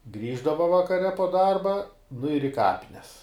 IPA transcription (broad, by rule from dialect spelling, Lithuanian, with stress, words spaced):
ˈɡrʲiːʒdɐʋɐ ʋɐkɐˈrʲɛ poː ˈdɐrbɐ nʊ ɪr ɪ ˈkɑːpʲɪnʲɛs